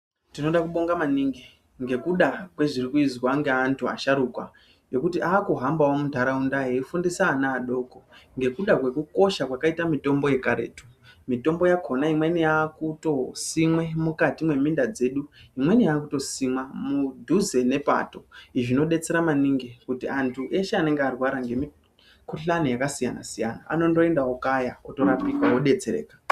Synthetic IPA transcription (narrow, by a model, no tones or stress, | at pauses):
tino̞ɗakuɓo̞ŋɡamaniːŋɡe | ŋɡe̞kuɗakwe̞ʐirikuizwaŋɡeantʰua̰ʃaɾukwa̰ | jo̞kutiʔaːkuɦambawomundʱaɾaundaɦeifundisaːnaːɗo̞ːko̞ŋɡe̞kuɗakwe̞kuko̞ʃakwakaitamito̞mbo̞je̞kaɾḛːtu̥ | mito̞mbo̞jakʰo̞naimwe̞nijakuto̞simwemukatimwe̞mindad͡ze̞ɗuɦimwe̞nijaːkuto̞simwamudʱuze̞ne̞pa̰to̞iʐino̞ɗe̞t͡se̞ɾamaniŋɡekutiantʰuʔe̞ʃeaneŋɡearwaɾaŋɡe̞mi | kuɬanijakasijana̰sija̰na̰a̰no̞ndo̞e̞ndawokajaoto̞ɾapikaɦoɗe̞t͡se̞ɾḛːkḁ